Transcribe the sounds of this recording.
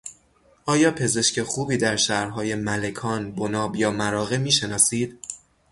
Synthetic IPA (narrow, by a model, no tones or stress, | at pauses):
ʔɒːjɒːpʰe̞ze̞ʃcʰe̞xuːbiːd̪æɾʃæːhɾɦɒːje̞mæle̞kʰɒːnbo̞nɒːbjɒːmæɾɒːɣe̞miːʃe̞nɒːsiːd̪̥